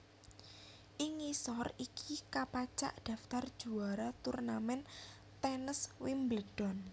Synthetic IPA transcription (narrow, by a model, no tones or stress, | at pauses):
ʔiŋisɔrikʰikapat͡ʃa̰ʔd̪̥ä̤ft̪ard̥ʒ̥ṳaɾat̪urnamɛn | t̪ɛnəswimbləd̥ɔn